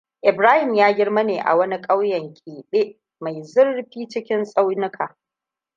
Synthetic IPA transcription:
ʔɪ˨bɾaː˦hɪ˨mjaː˦ɡʲɪ˦ɽmɐ˦neː˨ʔa̰˨wɐ˦ni˦kʼa˦wjɐ˨ŋkʲʼiː˨ɗeː˦ʔ | ma˨jzʊ˦rɸiː˦t͡ʃɪ˦kʲɪ˦nsʼa˦wnɪ˦kʰaː˨

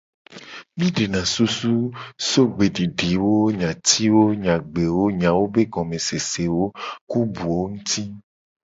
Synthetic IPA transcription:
mĩ˦ɖe˨nã˨su˦su˦so˦ɡ͡be˨ɖi˨ɖi˨wo˦ɲã˨t̪ʰi˦wo˦ɲã˨ɡ͡be˨wo˦ɲã˨wo˦be˦ɡɔ̃˨mẽ˨se˨se˨wo˦ku˦bu˨wo˦ŋũ˦t̪i˦

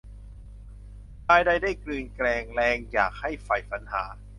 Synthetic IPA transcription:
paː˧jda˥˩jdaː˥˩jklɯː˧nklɛː˧ŋlɛː˧ŋjaː˨˩k̚ha˥˩jfa˧jfa˩˦nha̰ː˩˦

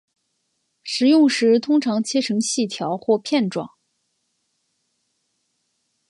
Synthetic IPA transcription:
ʂɻ̩˧˥jʊ˥˩ŋʂɻ̩˧˥t̪ʰʊ˥ŋʈ͡ʂʰɑ˧˥ŋt͡ɕʰjɛ˥ʈ͡ʂʰɤ˧˥ŋɕi˥˩t̪ʰjɑ˧˥ʊxwɔ˥˧pʰjɛ˥˩nʈ͡ʂwɑ̰˥˩ŋ

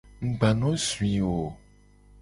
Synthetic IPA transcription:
ŋ̩˨ɡ͡ba˨nɔ̃˦swi˨o˨

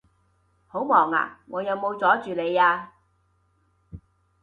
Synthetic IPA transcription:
ho˨˥wmɔː˨˩ŋa̰ː˨˩ŋɔː˨˧jɐ˨˧wmo˨˧wt͡sɔː˨˥t͡ʃyː˨le˨˧jaː˧

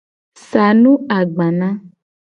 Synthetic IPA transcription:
sa˨nũ˦a˨ɡ͡bã˨nã˦

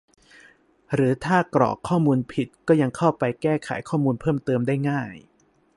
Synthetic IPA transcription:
ɾɯː˩˦t̪ʰaː˥˩kɾɔ̰ː˨˩kʰːɔː˥˩muː˧npʰi˨˩t̪̚kɔː˥˩ja˧ŋkʰa˥˩wpa˧jkɛː˥˩kʰa̰˩˦jkʰɔː˥˩muː˧npʰɤː˥˩mt̪ɤː˧mdaː˥˩jŋaː˥˩j

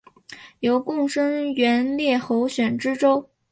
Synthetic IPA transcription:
jo˧˥ʊkʊ˥˩ŋʂə˥ŋɥɛ˧˥nljɛ˥˩xo˧˥ʊɕɥɛ˨˩nʈ͡ʂɻ̩˥ʈ͡ʂo˥ʊ

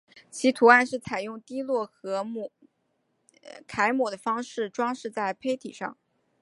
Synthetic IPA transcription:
t͡ɕʰi˧˥t̪ʰu˧˥a˥˧nʂɻ̩˥˩t͡sʰa˨˩ɪjʊ˥˩ŋt̪i˥lwɔ˥˩xɤ˧˥m˩ | kʰa˧˥ɪmwɔ˨˩d̪ə˦fɑ˥ŋʂɻ̩˥˩ʈ͡ʂwɑ˥ŋʂɻ̩˥˧t͡sa˥˩ɪpʰe˥ɪt̪ʰḭ˨˩ʂɑ˥˩ŋ

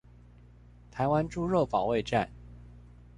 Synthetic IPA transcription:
t̪ʰa˧˥ɪwa˥nʈ͡ʂu˥ɻɤ˥˩pɑ˨˩ʊwe˥˧ɪʈ͡ʂa̰˥˩n

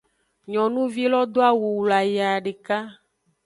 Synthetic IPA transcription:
ɲɔ̃˨nũ˦vi˦lɔ˦d̪o˦a˦wu˨wla˨ja˨ɖe˨ka˦

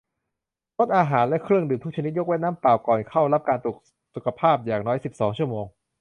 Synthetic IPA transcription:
ɾo˦˥t̪̚ʔaː˧ɦaː˩˦nlɛ˦˥kʰɾɯ˥˩əŋdɯː˨˩mt̪ʰu˥k̚t͡ɕa˧ni˦˥t̪̚jo˦˥kwɛ˥t̪̚naː˥˩mpaː˨˩wkɔː˨˩nkʰa˥˩wla˦˥p̚kaː˧nt̪u˨˩k̚ | su˨˩kʰa˧pʰaː˥˩p̚jaː˨˩ŋnɔː˦˥jsi˨˩p̚sɔː˩˦ŋt͡ɕʰu˥˩əmoː˧ŋ

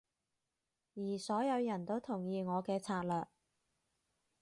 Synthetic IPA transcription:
jiː˨˩sɔː˨˥jɐ˨˧wjɐ˨˩nt̪o˥wt̪ʰʊ˨˩ŋjiː˧ŋɔː˨˧kɛː˧t͡sʰaː˧t̚lœː˨k̚

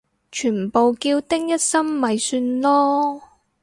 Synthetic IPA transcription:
t͡ʃʰyː˨˩npo˨wkiː˧wt̪ɪ˥ŋjɐ˥t̚sɐ˥mːɐ˨jsyː˧nlɔː˥

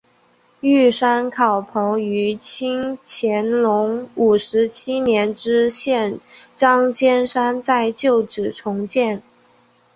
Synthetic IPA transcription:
y˥˩ʂa˥nkʰɑ˨˩ʊpʰɤ˧˥ŋy˧˥t͡ɕʰi˥ŋt͡ɕʰjɛ˧˥nlʊ˧˥ŋu˨˩ʂɻ̩˧˥t͡ɕʰi˥njɛ˧˥nʈ͡ʂɻ̩˥ɕjɛ˥˩nʈ͡ʂɑ˥ŋt͡ɕjɛ˥nʂa˥nt͡sa˥˧ɪt͡ɕjo˥˩ʊʈ͡ʂɻ̩˨˩ʈ͡ʂʰʊ˧˥ŋt͡ɕjɛ˥˩n

